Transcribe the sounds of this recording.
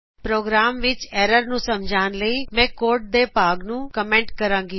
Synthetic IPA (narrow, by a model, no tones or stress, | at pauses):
pɾoːɡɾaːmʋɪt͡ʃeːɾəɾnũːsɐmd͡ʒʱaːnləimɛ̃ːkoːɾʈ̚d̪epaːɡnũːkɐmẽːɳʈkɐɾãːŋɡi